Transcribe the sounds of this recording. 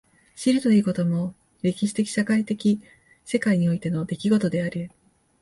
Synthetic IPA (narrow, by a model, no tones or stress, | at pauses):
ɕiɾɯ̟t̪o̞iːko̞t̪o̞mo̞ | ɾʲe̞kʲiɕi̥t̪e̞kʲi̥ɕakait̪e̞kʲi | se̞kaiɲ̟io̞it̪e̞no̞d̪e̞kʲiɡo̞t̪o̞d̪e̞aɾi